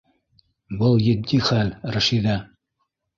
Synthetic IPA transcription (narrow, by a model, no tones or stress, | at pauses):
bɤlˠjɘ̆d̪ːiχælɾɘ̆ʃid̪æ